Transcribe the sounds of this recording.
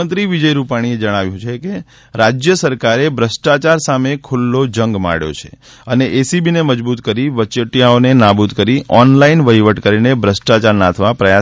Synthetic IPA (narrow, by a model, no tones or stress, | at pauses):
ənt̪ɾiʋid͡ʒəjɾupaɽ̃ied͡ʒəɽ̃aʋjũt͡ʃʰeke | ɾad͡ʒjəsəɾkaɾebʱɾəsʈat͡ʃaɾsamekʰʊlːod͡ʒəŋɡma̰ɽjo̰t͡ʃʰe̥̰ | əneʔesibineməd͡ʒbut̪kəɾiʋət͡ʃəʈjaonenabut̪kəɾiɔnlainʋəɦiʋəʈkəɾinebʱɾəsʈat͡ʃaɾnat̪ʰʋapɾəja